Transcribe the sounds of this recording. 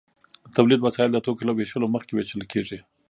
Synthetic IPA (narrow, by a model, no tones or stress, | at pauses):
t̪awlid̪wasɑjɪld̪ət̪okelaweʃəloməxkewet͡ʃəlkʰeʐi